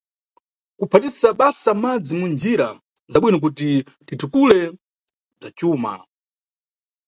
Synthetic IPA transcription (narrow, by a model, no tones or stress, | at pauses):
kupʰatisaɓasamad͡zimund͡ʒiɾa | zaɓwinik̬uti | titukulɛ | b͡ʐat͡ʃuːma̰